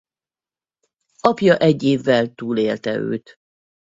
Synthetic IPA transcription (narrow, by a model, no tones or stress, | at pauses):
ɒpjɒʔɛɟːeːvːɛlt̪uːleːlt̪ɛ̰ø̰ːt̪